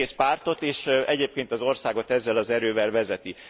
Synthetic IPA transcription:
eːspaːrt̪o̞t̪eːʃɛɟeːp̚keːnt̪ɒzo̞rsaːɡo̞t̪ɛzːɛlɒzɛɾøːvɛlvɛzɛt̪i

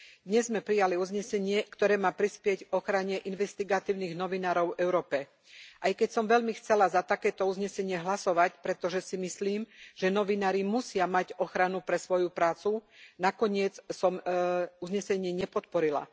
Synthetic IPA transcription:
d̪ɲɛzmɛpɾijaliuzɲɛsɛɲɪɛkt̪ɔɾɛːmaːpɾispɪɛɟfɔxɾaɲɛʔinʋɛst̪iɡat̪iːʊniɣnɔʋinaːɾɔʊvɛʊɾɔːpɛ | ʔajkɛcsɔmʋɛʎmixt͡sɛlazat̪akɛːt̪ɔuzɲɛsɛɲɪɛɦlasɔʋacpɾɛt̪ɔʒɛsimisliːmʒ̥ɛnɔʋinaːɾimusɪamaɟɔxɾanupɾɛsʋɔjupɾaːt͡sunakɔɲɪɛt͡ssɔmuzɲɛsɛɲɪɛɲɛpɔt̪pɔɾila̰

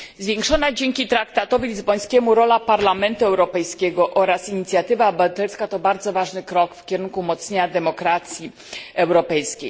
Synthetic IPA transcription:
zvʲjeŋkʂɔnad͡ʑɛŋkʲit̪ɾakt̪at̪ɔvʲilʲizbɔj̃skʲɛmuɾɔlapaɾlamɛnt̪uɛwɾɔpɛjskʲɛɡɔʔɔɾasiɲit̪sʲjat̪ɘvabat̪ɛlskat̪ɔbaɾd̪zɔvaʐnɘkɾɔkfkʲɛɾunkumɔt̪sɲeɲad̪ɛmɔkɾat̪sʲji | ɛwɾɔpɛjskʲḛj

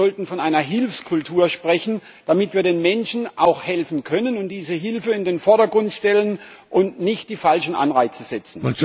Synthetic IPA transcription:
ɔltn̩fɔnʔaɪnɐɦɪlfskʰʊltʰuːɐʃpʁ̥ɛçn̩ | d̥amɪtv̥iːɐdeːnmɛnʃn̩ʔaʊxhɛlfn̩kʰœnənʊntd̥iːzəɦɪlfəɪndeːnfɔɐɾɐɡʁʊntʃtɛlən | ʔʊntnɪçt̚d̥iːfalʃn̩ʔa̰nʁaɪt͡səz̥ɛt͡sn̩

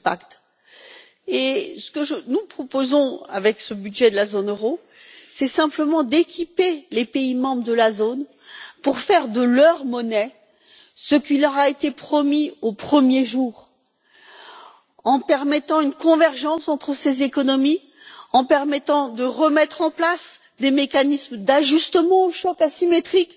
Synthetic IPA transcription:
pakt̪ | esə̥kəʒənupχɔpozɔ̃a̰vɛksəbyd̪ʒɛd̪əlazonøʁo | sɛsɛ̃pləmɑ̃d̪ekʲʰipelepeimɑ̃bʁəd̪əlazon | puʁfɛʁd̪əlœʁmɔnɛ | səkilœʁaet̪epχɔmiopχəmjeʒuːʁ | ɑ̃pɛʁmɛt̪ɑ̃ynkɔ̃vɛʁʒɑ̃sɑ̃t̪χəsezekɔnɔmi | ɑ̃pɛʁmɛt̪ɑ̃d̪əʁəmɛt̪χɑ̃plas | d̪emekanismd̪aʒyst̪əmɑ̃oʃɔkasimet̪χik

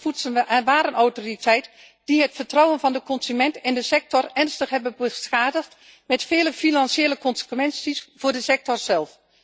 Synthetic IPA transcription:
futsənʋaːɾənɔwtoritʰɛjt | d̥iɦətfərtrɔwənvɑndəkɔnsymɛntɪndəsɛk̚tɔrɛrnstəxɦɛbənbəsxaːdəxt | mɛtfɪːləfinansjeːləkɔnsə̥kʋɛnsisfʊːɹdəsɛk̚tɔrzɛlˠf

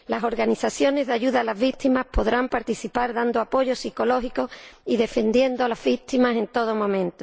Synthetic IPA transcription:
laso̞ɾɣaniθaθjo̞ne̞zðaʝuðaːlazβit̪imapo̞ðɾampaɾt̪iθipaɾðand̪oapo̞ʝo̞siko̞lo̞ɦiko̞iðe̞fe̞nd̪jend̪oalazβit̪imase̞nt̪o̞ð̞o̞mõ̞mẽnt̪o

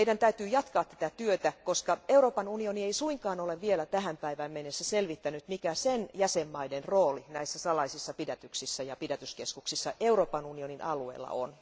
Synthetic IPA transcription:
eidænt̪æyt̪yːjɑt̪kɑːt̪t̪æ̥t̪æt̪yøt̪ækoskɑewroːpɑnunionieisuiŋkɑːnoleʋʋielæt̪æhæmpæiʋæːmmenːesːæselʋit̪ːænyt̪mikæsenjæsemːɑidenroːlinæisːæsɑlɑisisːɑpidæt̪yksisːæjɑpidæt̪yskeskuksisːɑʔeuroːpɑnunioninʔɑluḛilːɑ̰o̰n

